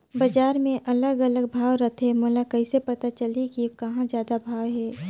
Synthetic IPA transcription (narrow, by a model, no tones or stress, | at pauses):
bɐd͡ʒaːɾmẽʔɐləɡɐləɡ̚bʱaːʋɾɐt̪ʰemoːlakɐɪsepɐt̪at͡ʃəlikikɐɦãzjaːd̪abʱaːwɦɛː